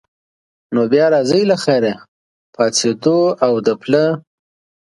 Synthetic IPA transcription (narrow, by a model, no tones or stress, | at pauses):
nobjɑɾɑzəjlaxaɾa | pʰɑt͡sed̪oawd̪əplə